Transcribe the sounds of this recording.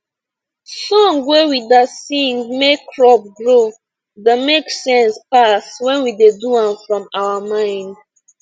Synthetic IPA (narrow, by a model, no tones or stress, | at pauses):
sɔ̃ŋwewidasĩŋmekɹɔp̚ɡɹo | dameksɛ̃nspaswɛ̃nwideduãmfɹɔ̃mawamãɪ̃nd